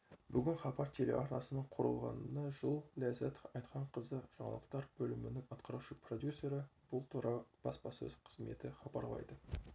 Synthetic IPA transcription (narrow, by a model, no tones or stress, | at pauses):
bʏɡʲɪnχɑbɑɾt̪ʰe̞le̞̰ʔɑɾnɑsənəɴqʰʊɾə̰lˠʁɑ̰nənɑʒəlˠlʲæzæt̪o̥fɑjt̪̚qʰɑɴqʰəzəʒ̥ɑɴɑ̰lˠəq̚t̪ɑɾbɵlɪmɪnɪŋɑt̪qɑɾɑwʃəprod̪ʲjusʲːe̞ɾɪb̥ʊlˠt̪ɾɑb̥ɑspɑsɵ̰z̥qʰə̥zme̞̰t̪ɪχɑbɑɾlˠɑ̰jd̪ə